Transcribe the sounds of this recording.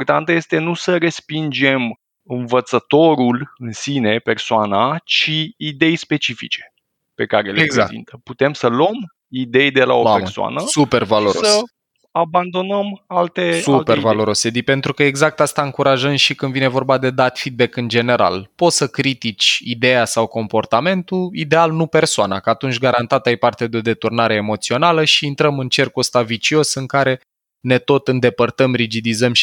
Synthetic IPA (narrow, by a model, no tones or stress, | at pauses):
port̪ant̪əje̞st̪e̞nusəɾe̞spind͡ʒe̞m | ɨnvət̪sət̪o̞ɾulɨnsine̞pe̞rsoanat͡ʃiːd̪e̞jspe̞t͡ʃifḭt͡ʃe̞̥ | pe̞kaɾeleɡzaksḭnt̪əput̪e̞msəluom | id̪e̞jd̪e̞la̰oasoa̰nəsupe̞rvaloɾosəs | aband̪o̞nəmalt̪esupervalo̞ɾose̞d̪ipe̞nt̪ɾukəeɡzak̚t̪ast̪aɨŋkuɾaʒəmʃikɨnd̪vine̞vo̞rbad̪e̞d̪at̪fid̪̚be̞kɨnd͡ʒe̞ne̞ɾa̰lpo̞t̪səkɾit̪it͡ʃʲid̪e̞jasawko̞mpo̞rt̪ame̞nt̪uid̪e̞alnupe̞rsoanakəat̪unt͡ʃʲɡaɾant̪at̪ajpart̪ed̪eo̞d̪e̞t̪urnaɾe̞ːmo̞t̪sio̞naləʃiːnt̪ɾəmɨnt͡ʃe̞rkuəst̪avit͡ʃio̞sɨŋkaɾe̞ | ne̞t̪o̞t̪ɨnd̪e̞pərt̪əmrid͡ʒid̪izəm